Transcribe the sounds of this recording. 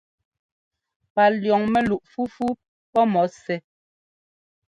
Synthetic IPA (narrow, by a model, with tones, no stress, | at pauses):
pa˨ljɔ˨ŋmɛ˦lu˨ʔfu˦fu˦ | pɔ˦mɔ˨˦sɛ˨